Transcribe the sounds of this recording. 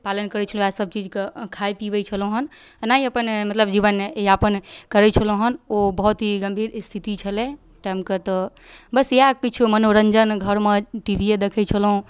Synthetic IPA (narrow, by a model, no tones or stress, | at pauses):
palənkəɾɛt͡ʃʰəl̃asəb̚t͡ʃid͡ʒkekʰajpibət͡ʃʰəlõɦən | naiəpənmət̪ləbd͡ʒiβənapənkəɾɛt͡ʃʰəlõɦənobəɦut̪ɦiɡəmbʱiɾst̪ʰit̪it͡ʃʰəlɛ̃ | ʈamkət̪ɔ | bəsjakit͡ʃʰumənoɾəɲd͡ʒənɡʱəɾmeʈibʱied̪ekʰɛt͡ʃʰəlɦũ